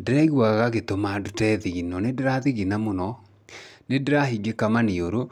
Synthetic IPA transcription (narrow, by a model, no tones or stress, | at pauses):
deɾɛɣwaɣaɣetomadotɛðiɣinɔnedeɾaðiɣinamonɔ | nedeɾaɦiɡekamaneoɾo